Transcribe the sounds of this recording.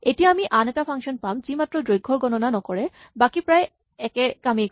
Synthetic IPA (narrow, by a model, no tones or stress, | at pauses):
etijaːmiʔanɛtapʰaŋkʃɔnpamzimatɹɔdojɡʱːɔɹɡɔnɔnanɔkɔɹɛ | bakipɹaj | ɛkɛkamik